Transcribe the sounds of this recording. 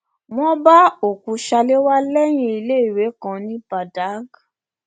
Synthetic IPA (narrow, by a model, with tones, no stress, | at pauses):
m̃ɔ̃˦ba˦o˨kũ˨˧ʃa˧le˦wa˦lɛ˦j̃ĩ˧i˧le˦i˨we˨˦kã˧nĩ˦ba˨da˨˦ɡ